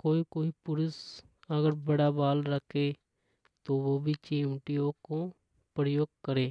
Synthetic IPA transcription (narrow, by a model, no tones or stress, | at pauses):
koːikoːipʊɾʊs | əɡəɾbəɽaːbaːlɾəkʰːeː | t̪oːʋoːbʱiːt͡ʃiːũːʈijõːkõː | pɾəjoːɡ̚kəɾeː